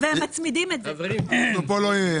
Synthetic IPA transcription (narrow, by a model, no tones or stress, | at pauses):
veemmat͡smid̪imetzenopolo